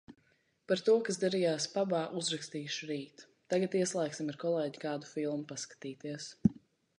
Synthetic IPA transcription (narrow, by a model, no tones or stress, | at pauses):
paɾt̪uɔkasd̪aɾijaːspabaːʔuzɾakst̪iːʃuɾiːt̪ | t̪ːaɡat̪iɛslˠɛjksimaɾkɔlˠɛːɟikaːd̪u̥filˠmupaskḁt̪iːt̪iɛs